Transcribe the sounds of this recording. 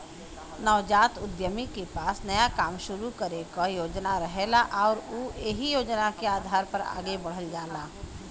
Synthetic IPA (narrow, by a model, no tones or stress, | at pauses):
nɔʋd͡ʒaːt̪ʊd̪jəmikepaːsnɐjakaːmʃʊɾukɐɾekajoːd͡ʒnaɾəɦeːlaʔɔːɾuːeɦijoːd͡ʒnakeaːd̪ʱaːɾpɐɾa̰ːɡebɐɽ̤əld͡ʒaːlaː